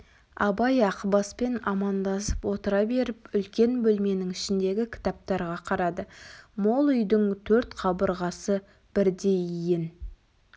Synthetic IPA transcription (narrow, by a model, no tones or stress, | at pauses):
ɑbɑjɑqəbɑspe̞nɑmɑnd̪ɑsə̥pwo̞t̪əɾɑbe̞ɾɪpʏlkʲe̞nbɵlme̞nɪŋɪʃɪnd̪e̞ɡʲɪkʲʰɪ̥t̪ɑp̚t̪ɑɾʁɑqʰɑɾɑd̪əmo̞lˠʏjd̪ɪŋt̪ʰɵɾt̪qʰɑbəɾʁɑsə | b̥ɪɾd̪e̞jijɪn